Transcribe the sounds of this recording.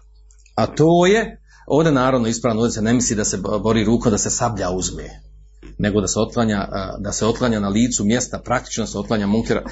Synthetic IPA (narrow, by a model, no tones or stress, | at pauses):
at̪oːje̞ | oːʋd̪e̞naːɾaʋno̞ispɾaːʋnoːd̪esenemisliːd̪ase̞bo̞ɾiːɾuːkod̪ase̞sabʎauzmḛ | ne̞ɡo̞d̪aseo̞t̪̚klˠaɲaːd̪aseo̞t̪̚klˠaɲaːnaliːt̪sumje̞st̪apɾak̚t̪i̥t͡ʃnod̪aseo̞t̪klaɲaːmuŋkiɾa̰